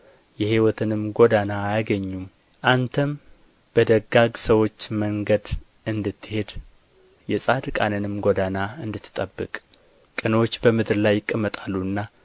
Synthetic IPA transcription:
jɛhiwɔt̪ʰɨnɨmɡod̪anaːjaɡəɲːum | ʔant̪ʰəm | b̥əd̪əɡːaɡsəwo̞t͡ʃːməŋɡəd̪ | ʔɨnd̪ɨt̪ːɨhe̞d̪ | jɛsʼad̪kʼanənɨmɡod̪anaɨnd̪ɨt̪ʰːɨ̥t̪ʼəbːɨkʼ | kʼɨnwot͡ʃːbəmɨd̪ɨɾlajːɪkʼːəmːət̪ʼalːuɨnːa

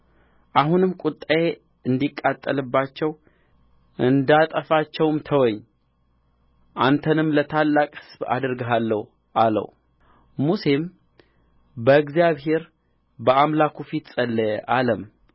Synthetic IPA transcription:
ʔaɦunɨmkʼʊt̪ʼːae | ɨnd̪ikʼːat̪ʼːəlɨbːat͡ʃːɛw | ʔɨnd̪at̪ʼəfat͡ʃːɛwmt̪ʰəwɔɲː | ʔant̪ʰənɨmlət̪ʰalːakʼhɨsba̰d̪ɨɾɡəɦalːəh | ʔalə̰wu | muse̞m | bəɨɡzijaβhe̞ɾ | bəamlakʰufit̪sʼəlːəʔaləm

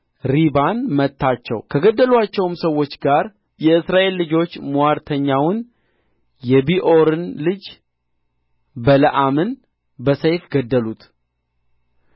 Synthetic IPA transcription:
ɾibanmət̪ʰːat͡ʃːɛ̰wkʰəɡəd̪ːəlwat͡ʃːɛwmsəwːo̞t͡ʃːɡaɾ | jɛɨsɾaʔe̞lːɨd͡ʒo̞t͡ʃːmuwaɾt̪ʰəɲːawʊn | jɛbiʔo̞ɾɨnlɨd͡ʒ | bələʔamɨn | bəsəjfɡəd̪ːəlut̪

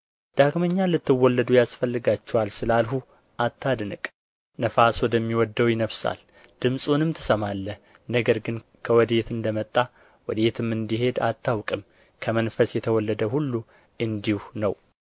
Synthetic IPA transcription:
d̪̥aɡməɲːalɨt̪ːɨwːɔlːəd̪ujasfəlːɨɡat͡ʃːɛwalsɨlalɦu | ʔat̪ʰːad̪ɨnɨkʼ | nəfaswɔd̪əmːiwɔd̪ːəwjɪnəβsa̰l | d̪̥ɨmsʼunɨmt̪ʰɨ̥səmalːə | nəɡəɾɡɨnkʰəwɔd̪e̞t̪ɨnd̪əmət̪ʼːa | wɔd̪e̞t̪ʰɨmːɨnd̪iɦe̞d̪a̰t̪ʰːawkʼɨm | kʰəmənfəsjɛt̪ʰəwɔlːəd̪əɦulːu | ɨnd̪ihunəw

